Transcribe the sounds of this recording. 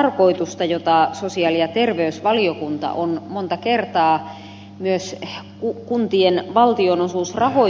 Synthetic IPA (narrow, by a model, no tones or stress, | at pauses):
rkoit̪ust̪ɑjot̪ɑsosiɑljɑt̪erʋeysʋɑliokunt̪ɑ̰ʔonmont̪ɑkert̪ɑː | myøskukunt̪ienʋɑlt̪ionosuːsrɑho